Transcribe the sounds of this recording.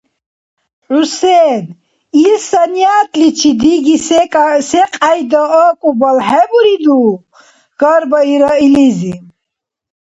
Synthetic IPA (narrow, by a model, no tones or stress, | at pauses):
ʕusɛn | ilsanjaːt̪ʼlit͡ʃʰid̪iɡisɛsɛqʼajd̪ɔɔkʼubalɦɛbuɾid̪u | ɡ̥aɾbaiɾailizi